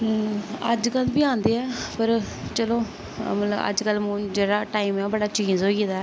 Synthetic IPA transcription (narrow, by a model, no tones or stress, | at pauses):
əd͡ʒkəlbiːãːnd̪eːɛːpəɾ | t͡ʃəloː | mət̪ləbə̰d͡ʒkəlːmũːd͡ʒeːɽaːʈaːimɛːbəɽaːt͡ʃiːzɦoːiːd̪aːɛː